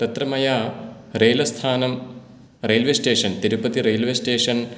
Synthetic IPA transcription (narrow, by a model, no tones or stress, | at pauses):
t̪ɐt̪ɾɐmɐjaː | reːlɐst̪ʰaːnɐm | reːlʋesʈeːʂɐnt̪iɾupɐt̪iɾeːlʋesʈeːʂɐn